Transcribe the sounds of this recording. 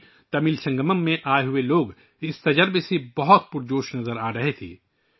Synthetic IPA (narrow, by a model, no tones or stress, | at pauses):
t̪ɐmɪlsɐ̃ŋɡəməmːẽʔaːeɦʊeloːɡ | ɪst̪ɐd͡ʒəɾbsebɐɦʊt̪pʊɾd͡ʒoːʃnɐzəɾaːɾɐɦet̪ʰḭː